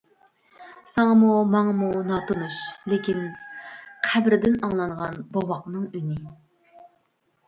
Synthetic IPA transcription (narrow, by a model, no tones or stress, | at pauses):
sɑŋɑmumɑŋɑmunɑt̪onuʃlɪkʲin | qʰæbɾɪd̪ɪnɑŋlˠɑŋʁɑnbɑwɑqnɨŋynɪ